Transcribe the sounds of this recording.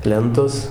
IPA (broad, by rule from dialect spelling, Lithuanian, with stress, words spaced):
ˈlʲɛntoːs